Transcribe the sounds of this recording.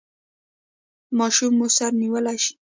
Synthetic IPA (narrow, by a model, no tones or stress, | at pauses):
mɑʃumːusaɾniwəlajʃi̥